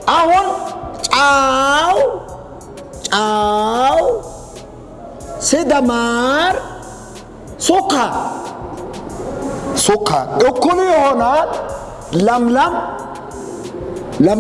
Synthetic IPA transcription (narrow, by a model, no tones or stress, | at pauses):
ʔɐhɔnt͡ʃʼaːw | t͡ʃʼaːw | sɛd̪ɐmaːɾ | sʊkːa | sʊkːa̰ɗʊkːʊnɪjɔhɔna | lɐmlɐm | lɐm